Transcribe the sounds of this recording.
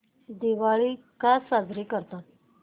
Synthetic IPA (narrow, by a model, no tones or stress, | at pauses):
d̪iʋaɭi | kasad͡zɾikəɾt̪at̪̚